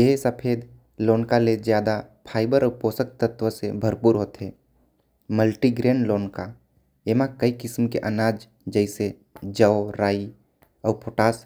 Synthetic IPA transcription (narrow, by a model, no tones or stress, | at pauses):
eɦsəpʰeːd̪ | loːnkalezjaːd̪apʰaːɪbəɾɔpoːsək̚t̪ət̪ʋəsebʱəɾpuːɾɦoːt̪ɦeː | məlʈiɡɾeːnloːnka | emãkəikɪsmkḛʔənaːd͡ʒ | d͡ʒəɪse | d͡ʒəoɾaːi | ɔːpʰoːʈaːs